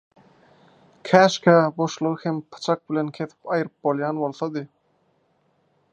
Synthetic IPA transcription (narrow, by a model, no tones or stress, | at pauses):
kʲʰæːʃkʰæbo̞ʃlˠoɾhempʰɯ̥t͡ʃʰɑk̚bilenkʲʰe̞θi̥pɑjɯɾɯp̚bolˠjɑːnbo̞lˠθod̪ɯ